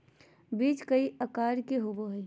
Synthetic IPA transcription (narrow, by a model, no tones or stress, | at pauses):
biːt͡ʃkəiəkaːɾkeɦoboɦɛj